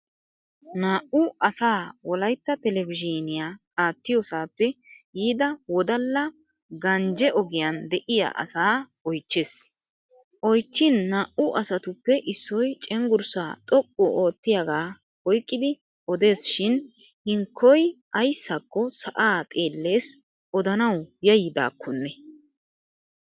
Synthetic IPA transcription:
naːʔʊɐsaːwɔlɐjt̪ːɐt̪ɛlɛvɪd͡ʒɪnɪjaːkʼaːt̪ːɪjosaːpːɛjiːd̪ɐwɔd̪ɐlːɐ | ɡɐnd͡ʒɛʔɔɡɪjand̪ɛʔɪja̰ːʔɐ̰saː | ɔjt͡ʃːeːs | ʔɔjt͡ʃːɪnːɐʔʊʔɐsɐt̪ʊpːɛʔɪsːɔjt͡ʃʼɛŋɡʊɾsaːt̪ʼɔkʼːɔoːt̪ːɪjaɡaː | ɔjkʼːɪd̪ɪ | ʔɔd̪e̞ːsʃɪn | hɪŋkʰːɔjʔɐjsːɐkːɔsɐʔaːt̪ʼe̞ːlːe̞ːs | ʔɔd̪ɐnɐwjɐjɪd̪a̰ːkʰːɔnːɛ

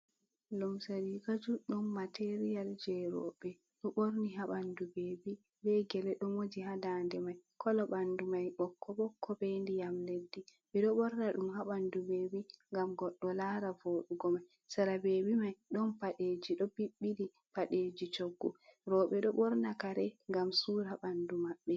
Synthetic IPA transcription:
lumsaɾikad͡ʒuɗɔnːateɾijald͡ʒɛɾɔ̰ɓɛ | ɗɔɓoɾniɦaɓandubeːbi | bɛɡɛlɛɗɔmod͡ʒiɦadandɛmajkʰɔlɔɓandumajɓɔkʰːɔɓɔkʰːɔbendijamledːibɛɗɔɓɔɾnaɗumhaɓandubebiŋɡamɡɔɗːɔlaɾavoːɗuɡɔmaj | saɾabeːbimajɗɔnpaɗed͡ʒiɗɔbiɓːili | paɗed͡ʒit͡ʃoɡːuɾɔɓɛɗɔɓɔɾnakaɾɛŋɡamsuɾaɓandumaɓːɛ

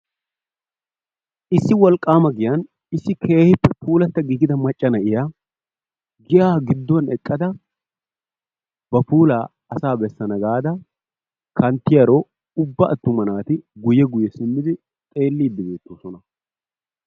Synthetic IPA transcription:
ʔɪsːɪwɔlkʼːaːmɐɡɪjɐn | ɪsːɪkʰe̞ːhɪpːɛpʰuːlɐt̪ːɐɡiːɡɪd̪ɐmɐt͡ʃʼːɐnɐʔɪja | ɡɪʔaːɡɪd̪ːɔnɛkʼːɐd̪ɐ | bɐpuːlaː | ɐsaːbɛsːɐnɐɡaːd̪ɐ | kʰɐnt̪ːɪjɐɾoː | ʊbːɐʔɐt̪ːʊmɐnaːt̪ɪɡʊjːɛɡʊjːɛsɪmːɪd̪ɪ | t̪ʼe̞ːlːiːd̪ːɪbe̞ːt̪ːoːsɔnɐ

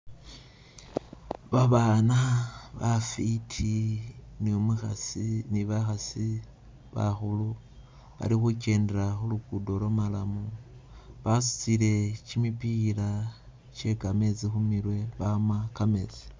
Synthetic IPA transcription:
βaβanaβafitʰiniomuxasiniβaxasi | βa̰xulu | βa̰ɾixuce̞ːndeɾaxulukudo̞lomalamu | βasu̥t͡sile̞t͡ʃimipila | t͡ʃe̞kame̞t͡sixumiɾwe̞βamakame̞t͡si̥

